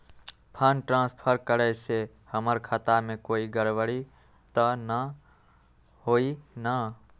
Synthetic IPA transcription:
pʰənʈɾãspʰəɾkəɾɛse | həməɾkʰət̪amekoiɡəɾʋəɽi | t̪ənə | ɦoinə

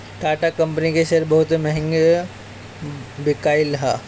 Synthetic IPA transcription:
t̪aʈakəmpənikeɕəɾbəɦut̪məɦeŋɡ | bikailɦa

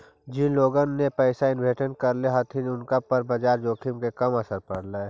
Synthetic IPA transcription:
d͡ʒɪnloːɡənːepɛɪsaɪnbʱeːʈənkɐɾleɦɐt̪ʰinʊnkapɐɾbəd͡ʒaːɾd͡ʒoːkʰɪmkekɐmɐsəɾpɐɽ̤laɛ

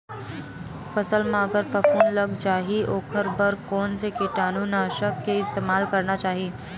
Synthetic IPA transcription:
fɐsəlmãɐɡəɾpɐfoːnlɐɡd͡ʒaːɦiʔoːkʰəɾbəɾkɔːnsekɪʈaːnunaːʃəkːeɪst̪eːmaːlkɐɾnat͡ʃaːɦieː

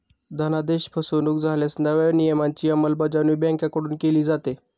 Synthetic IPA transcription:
d̪ʱənad̪eɕpʰəsonuːkd͡zʱaljasnəʋenijəmaɲt͡ɕiːəməlbəd͡ʑaniːbãŋkjakəɽuːnkeliːd͡zat̪e

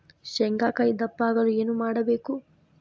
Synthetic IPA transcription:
ʃɛŋɡaːkɐjd̪ɐpːaːɡɐlueːnumaːɽɐbeːku

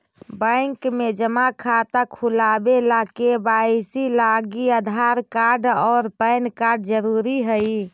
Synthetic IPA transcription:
bəɪŋkmed͡ʒəmakʰat̪akʰulabelakebaisilaɡiəd̪ʱaɾkaɾɖɔːɾpəɪnkaɾɖd͡ʒəɾuɾiɦəi

